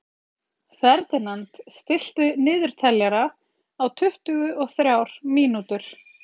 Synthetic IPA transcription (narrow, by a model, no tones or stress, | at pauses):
θɛɾt̪ɪnant̪st̪ɪl̥t̪ʏnɪːðʏɾ̥t̪ʰɛljaɾa | awt̪ʰʏht̪ʏɣʏʔɔɣθɾjawɾ̥miːnut̪ʏɾ̥